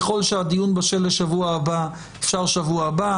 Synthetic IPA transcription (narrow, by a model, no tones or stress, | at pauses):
χo̞lʃead̪ijunbaʃelːeʃavuaːba | efʃaʁʃavuaba